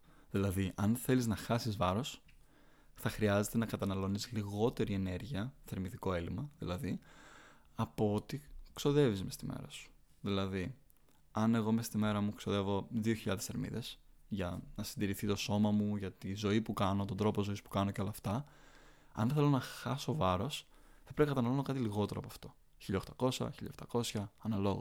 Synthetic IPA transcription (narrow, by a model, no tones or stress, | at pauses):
ðilɐðiʔɐnθe̞liznɐxɐsizvɐɾo̞s | θɐxɾiɐze̞t̪e̞nɐkɐt̪ɐnɐlo̞nisliɣo̞t̪e̞ɾie̞ne̞ɾʝiɐθe̞ɾmiðiko̞e̞limɐðḭlɐði | ɐpoot̪ikso̞ðe̞vizme̞st̪imʔḛɾɐsu̥ | ðilɐði | ɐne̞ɣo̞mest̪ime̞ɾɐmukso̞ðe̞vo̞ðio̞çiʎɐðe̞seɾmḭðe̞s | ʝɐnɐsind̪iɾiθit̪o̞so̞mɐmuʝɐt̪izo̞ipukɐno̞t̪ond̪ɾo̞pozo̞ispu̥kɐnoceo̞lɐːft̪ɐ | ɐ̰nθelo̞nɐxɐso̞vɐɾo̞sθɐpɾe̞pikɐt̪ɐnɐlono̞kɐt̪iliɣo̞t̪e̞ɾoɐpoɐft̪o̞̥ | çiʎɐoxt̪ɐko̞sɐ̰çiʎɐ̰xt̪ɐko̞sçɐɐnɐlo̞ɣo